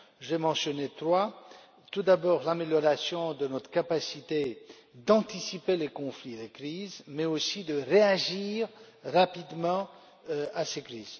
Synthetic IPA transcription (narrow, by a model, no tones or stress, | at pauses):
ʒemɑ̃sjɔnet̪χwa | t̪ud̪abɔːʁlameljɔʁasjɔ̃d̪ənɔt̪χkapasit̪e | d̪ɑ̃t̪isipelekɔ̃flilekχizmɛosid̪əʁeaʒiʁ | ʁapid̪mɑ̃ | asekχiːz̥